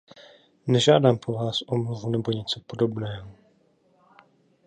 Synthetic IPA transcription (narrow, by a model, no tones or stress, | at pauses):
nɛʒaːdaːmpɾovaːsʔo̞mluvunɛbo̞ɲɛt͡sopo̞do̞bnɛːɦo